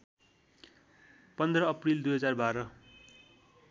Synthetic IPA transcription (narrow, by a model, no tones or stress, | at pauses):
pʌnd̪rʌːprild̪ujɦʌd͡zarbaɾʌ